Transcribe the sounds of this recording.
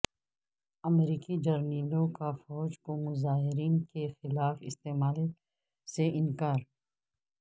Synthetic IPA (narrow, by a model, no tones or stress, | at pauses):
ɐmɾiːkid͡ʒɐɾniːlõkafɔːd͡ʒkomʊzaːɦɪɾiːnkexɪlaːfɪ̰st̪eːmaːl | seʔɪ̃nkaːɾ